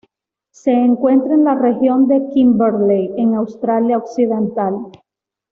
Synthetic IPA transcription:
se̞ːŋkwe̞nt̪ɾaenlare̞xjo̞nd̪e̞kimbeɾlejeŋawst̪ɾaljaoksiðe̞nt̪al

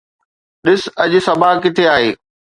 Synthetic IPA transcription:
ɗɪsɐʄʊ̆sɐbʱakɪt̪ʰeaːɦeː

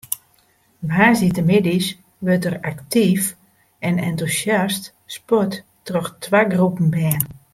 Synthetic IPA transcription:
ʋaːsitəmɪdis | ʋøtəraktif | ɛnɛntusjast | spɔt | trɔxtʰwaɡrupən̩bɛːn

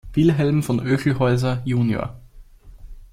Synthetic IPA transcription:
v̥ɪlɦɛlm̩fɔnʔøːçl̩hɔʏzɐjuːnjo̰ːɐ

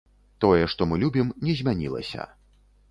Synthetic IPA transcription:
t̪ɔjɛʂt̪ɔmɨlʲubʲimnʲɛzʲmʲanʲḭlˠɐ̰sʲɐ̰

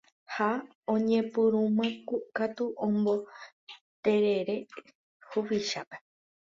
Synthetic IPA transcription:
ha | õɲẽpɨɾũmãkukat̪uʔõmbo̞ | t̪eɾeɾe | huβiʃape

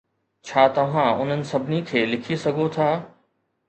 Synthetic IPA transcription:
t͡ɕʰaːt̪ɐʋ̤ãʊn̤ənɪ̆sɐbʱɪnikʰeːlɪkʰisɐɡʱot̪ʰaː

